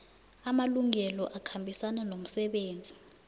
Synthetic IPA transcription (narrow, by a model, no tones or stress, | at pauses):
amaluŋɛlɔʔakʰambʱisananom̩sɛɓeːnd͡zʱi